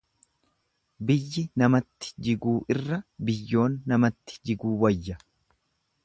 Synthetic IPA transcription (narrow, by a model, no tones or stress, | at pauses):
bɪjːɪnɐmɐt̪ːɪ̥d͡ʒɪɡuːʔɪrːɐbɪjːo̞ːnːɐmɐt̪ːɪ̥d͡ʒɪɡuːwɐjːɐ